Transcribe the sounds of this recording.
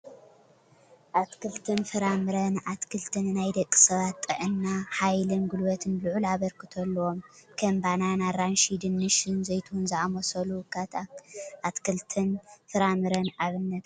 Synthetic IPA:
ʔat̪kʰɨlt̪ʰɨnfɨɾamɨɾɐnat̪kʰɨlt̪ʰɨnnajd̪ɐkʼːi̥sɐβat̪ʼːɨʕɨnːaħajlɨnɡulwɐt̪ʰɨnlɨʕulaβɐɾkɨt̪ʰɐlːɐwomkʰɐmbananaɾanʃid̪ɨnːɨʃɨnzɐjt̪ʰuunzɨʕamosɐlukʰat̪ʔat̪kʰɨlt̪ʰɨnfɨɾamɨɾɐnaβɨnːɐt̪

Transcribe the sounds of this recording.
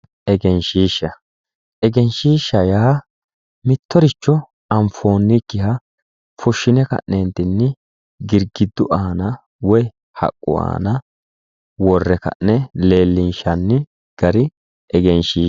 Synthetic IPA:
ʔɛɡɛnʃiːʃːɐ | ʔɛɡɛnʃiːʃːɐjaː | mɪt̪ːɔɾɪt͡ʃːɔ | ɐmfoːnːɪkːɪhɐ | fʊʃːɪnɛkɐ̰ʔːent̪ɪnːɪ | ɡɪɾɡɪd̪ːʊʔaːnɐ | wɔj | hɐ̰kʼːʊ̰a̰ːnɐ | wɔrːɛkɐ̰ʔnɛle̞ːlːɪnʃɐnːɪ | ɡ̥ɐɾɪ | ɛɡɛnʃiː

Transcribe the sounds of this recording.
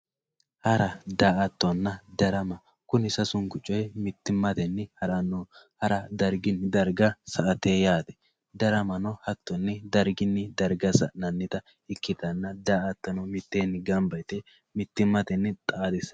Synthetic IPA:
hɐɾɐd̪aːʔɐt̪ːɔnːɐd̪ɐɾɐmɐ | kʊnɪsɐsʊŋɡʊt͡ʃʼːɔjmɪt̪ːɪmːɐt̪ɛnːɛhɐɾɐnːoːhɐɾɐd̪ɐɾɡɪnːd̪ɐɾɡɐsɐʔɐt̪eːjaːd̪ɛ̥ | d̪ɐɾɐmɐnɔhɐt̪ːɔnːɛd̪ɐɾɡɪnːɪd̪ɐɾɡɐsɐnɐnːɪt̪ɐ | ɪkːɪt̪ɐnːɐd̪aːʔɐt̪ːɐnɔmɪt̪ːeːnɪɡɐmbɐjt̪ɛ | mɪt̪ːɪmːɐt̪ɛnːt̪ʼaːd̪ɪs

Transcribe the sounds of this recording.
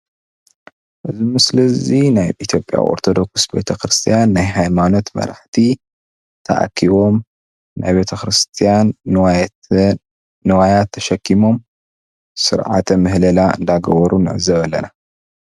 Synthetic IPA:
ʔɨzimɨslɐzinajʔit̪ʰjo̞pʼja̰wʔo̰ɾt̪ʰo̞d̪o̞ksbe̞̰t̪ʰɐxɾɨst̪ʰijanːajɦajmano̞t̪mɐ̰ɾa̰ħt̪ʰi | t̪ʰɐ̰ʔa̰kʰːiβo̞m | na̰jbet̪ʰɐxɾɨst̪ʰijan | ɨwajat̪ʰːɐʃɐkʰːimo̞m | sɨɾʕa̰t̪ʰɐmɨɦlɐlaɨ̰nd̪aɡɐβɐɾunɨʕɨ̰zɐβɐlːɐ̰na

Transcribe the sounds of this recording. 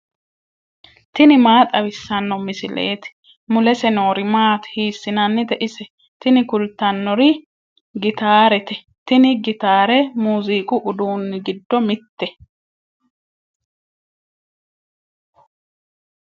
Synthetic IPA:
t̪ɪnɪmaːt̪ʼɐwɪsːɐnːɔmɪsɪlḛːt̪ɪ̥ | mʊlɛsɛno̞ːɾɪmaːt̪ɛ̥hiːsːɪnɐnːɪt̪ɛʔɪsɛ | t̪ɪnɪkʊlt̪ːɐnːɔɾɪ | ɡɪt̪aːɾɛt̪ɛ | t̪ɪnɪɡɪt̪aːɾɛmuːziːkʼʊʔʊd̪uːnːɪɡɪd̪ːɔmɪt̪ːɛ

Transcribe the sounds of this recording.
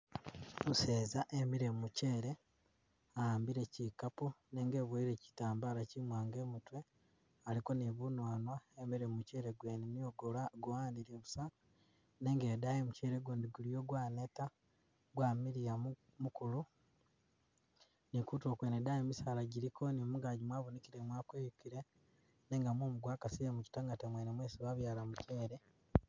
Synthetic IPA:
muse̞ːzaʔemiɾemuce̞ːɾe̞ | aaːmbiɾecikaponeŋɡe̞βwoiɾe̞ci̥taːmbaɾacimwaːŋɡe̞ːmutwe̞ | aliko̞niβunwaːnwaemiɾemuce̞ːɾeɡweːnenioɡolaɡowaːniɾeβusa | ne̞ːŋɡedajemuceːɾeɡuːndiɡulijoɡwaːneta | ɡwaːmiɾija | mukulu | nikuto̞ːkweːnedajemisaːlaɟiɾiko̞nimuɡaːɟimwaːβuniciɾemwaːkwejukiɾe | neːŋɡamwoːmuɡwaːkasijemuci̥taŋɡatemwenemweːsiβaβjaːlamuceːɾe

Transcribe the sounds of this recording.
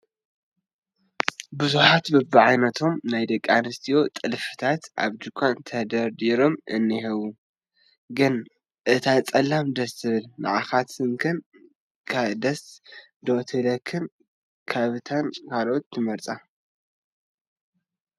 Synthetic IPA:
buzuħat̪bɨbɨʕajnɐt̪ʰo̞mnajd̪ɐkʼːanɨst̪ʰijo̞t̪ʼɨlfɨ̥t̪ʰat̪ʔa̰βd͡ʒ̪ɨkʷʰant̪ʰɐd̪ɐɾd̪iɾo̞mʔɨ̰nːiɦɐwu | ɡɨn | ʔɨt̪ʰat͡sʼɐlːamd̪ɐst̪ʰɨβɨlma̰ʕaxat̪sɨŋkʰɨn | kʰad̪ɐs | d̪ot̪ʰɨlɐkʰɨn | kʰaβɨt̪ʰankʰalʔot̪ːɨmɐɾt͡sʼa

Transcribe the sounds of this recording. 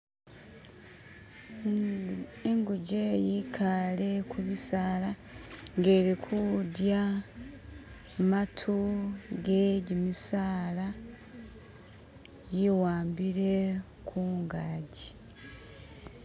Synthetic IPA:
eŋɡuɟejikʰale̞kʰuβisaːla | ŋɡe̞ːɾikʰudja | matʰuɡeɟimisaːla | jiwaːmbiɾe̞ | kʰuːŋɡaːɟi

